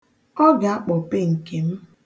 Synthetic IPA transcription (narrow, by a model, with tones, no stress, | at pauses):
ɔ˦ɡa˨a˦k͡pɔ˨pe˦ŋ̩˨ke˨m̩˦